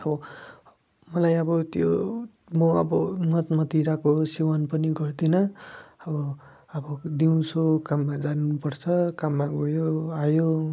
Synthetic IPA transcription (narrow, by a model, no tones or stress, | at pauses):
ʌbʌ | mʌlajʌbʌt̪jo | moʌbʌmʌt̪mʌt̪iɾakosiwanpʌniɡʌrd̪inʌʌbʌ | ʌbʌd̪iũt͡sʰokamːad͡zanupʌrt͡sʰʌkamːaɡojoajo